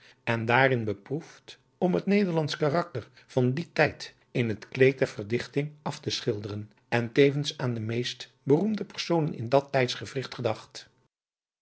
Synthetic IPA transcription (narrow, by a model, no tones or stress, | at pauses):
ɛndaːrɪnbəpruft | ɔmɦətnejdəɹlɑntskarɑk̚tər | v̥ɑnditɛjt | ɪnətklejt̚dɛɹv̥ərdɪχtɪŋɑftəsχɪlˠdərən | ʔɛntejvənsaːndəmejst | bərumdəpəɹsownənɪ̰ndɑtɛjtsχəvrɪχtχədɑχt